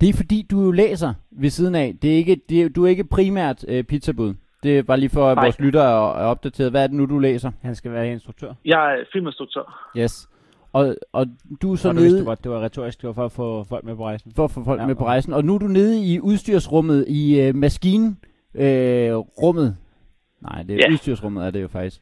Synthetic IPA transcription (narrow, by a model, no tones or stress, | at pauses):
d̥e̝ɐfɒd̥ḭːd̥ujo̝lḛːsɐʋe̝siːð̞ˠn̩ɛd̥e̝æe̝ɡ̥əd̥e̝d̥uæɐe̝ɡ̥əpʰʁimæɐ̰d̥øpʰid̥sæb̥uðˠd̥e̝ʋɑ̈liːfɒ̽æʋɒːslyɾɐæɐɒ̽b̥̚d̥æt͡sʰe̝ːɐð̞ˠʋæɐd̥e̝nudulḛːsɐhænsɡ̥æʋæːɐensd̥ʁuɡ̥̚t͡sʰøɐ̰jafilməsd̥ʁuɡ̥̚t͡sʰøɐ̰jes | ʔɒ̽ʔɒ̽d̥usɒ̽ne̝ð̩ˠɡ̥d̥d̥eʋɑʁɛt͡sʰo̝ɐʁisɡ̥d̥ofɒːfɔ̰fɒ̽l̰ɡ̥mepʰɒʁɑ̈ɪsn̩fɒæfɔfɒ̽l̰ɡmepʰɒ̽ʁɑ̈ɪsn̩ɒ̽nuɐd̥une̝ːð̞ˠiuðˠsd̥yɐsʁɔ̽m̰ð̩ˠiømæsɡ̥iːn | øʁɔ̽m̰ð̞̩ˠ | nɑ̰̈ɪ̰d̥e̝ɐuðˠd̥yɐsʁɔ̽m̰ð̞̩ˠæɐd̥e̝jo̝fɑ̈ɡ̥d̥isɡ̥